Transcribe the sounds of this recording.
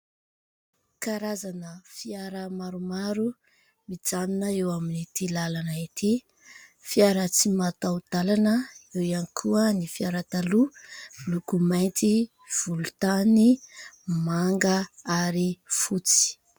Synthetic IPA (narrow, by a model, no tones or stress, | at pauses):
kaɾazanəfiaɾəmaɾumaɾu | mid͡zaninəewaminit̪ilalanait̪i | fiaɾət͡simat̪awd̪̥alanəewianikʰuənifiaɾat̪alulukumajnt̪i | v̥ulut̪ani | maŋɡaaɾifut͡si̥